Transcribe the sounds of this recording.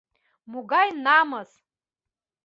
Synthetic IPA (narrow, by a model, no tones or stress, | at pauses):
muɡajnamaz